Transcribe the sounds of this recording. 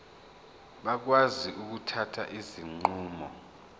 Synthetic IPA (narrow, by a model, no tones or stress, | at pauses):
ɓak̬waziʔuk̬utʰatʰa̰ʔiziŋ͡ǃuːmɔ